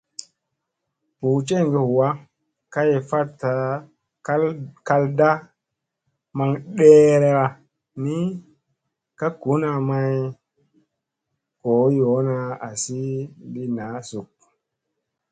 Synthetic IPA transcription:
pu˨t͡ʃe˦˨ŋɡe˨hwa˦ | ka˦je˨fa˦ta˨˦ | ka˧lda˦ | ma˧ŋɗe˦ɾe˧ɾa˧ | ni˦ | ka˦ku˨˦na˧ma˧j | ko˨˦jo˨˦na˧a˨si˦bi˦na˨˦su˨k̚

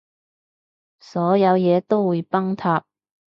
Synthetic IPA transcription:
sɔː˨˥jɐ˨˧wjɛː˨˧t̪o˥wwuː˨˧jpɐ˥ŋt̪ʰaː˧p̚

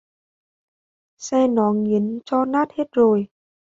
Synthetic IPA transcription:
sɛː˧nɔː˨˦ŋːi˨˦ən˧t͡ɕɔː˧naː˦˥˩t̪̚he˧˥t̪̚zoː˧˩j

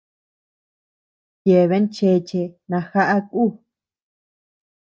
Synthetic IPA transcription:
je˨βe˦nt͡ʃe˧˨t͡ʃe˧nã˧xa˦ʔa˦kuː˦˨

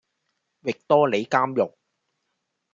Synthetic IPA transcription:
wɪ˨k̚t̪ɔː˥le˨˧jkaː˥mjʊ˨k̚

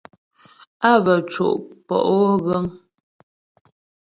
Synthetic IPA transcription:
a˦bə˨t͡ʃo̰˨ʔpɔ̰˨ʔwɣə˦ŋ

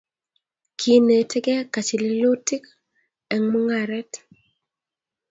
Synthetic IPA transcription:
kʰi˨ne˨tʰe˦ɡɛ˦ka˨t͡ʃi˨lɪ˦lo˦ti˦k | ɛ˨ŋmʊ˦ŋa˨ɾɛ˦t

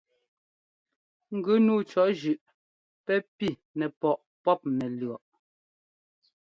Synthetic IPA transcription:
ŋ̩˦˨ɡʉ˦nuː˦t͡ʃɔ˨ʔʒʉ˨ʔ | pɛ˦pi˦˨ | nɛ˨pɔ˨ʔ | pɔ˦p̚nɛ˨lɰɔ˨ʔ

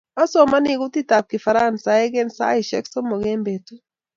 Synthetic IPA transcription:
a˦sɔ˨ma˦ni˦˨ku˦ti˦ta˨p̚ki˨fa˨ɾa˦˨nsa˨ɛ˦ɡɛ˦nsa̰˦i˨ʃɛ̰˦ksɔ˦mɔ˨ɡɛ˦mbe˨tu˦

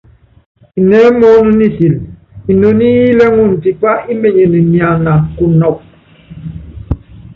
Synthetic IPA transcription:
i˨nɛ˦mɔ˦nu˦ni˦si˨l | i˨no˨ni˦ji˦le˦ŋu˦˨n̩˨ti˨k͡pa˦i˦me˨ɲe˨ni˨nja˨na˨ku˨nɔ˨k̚

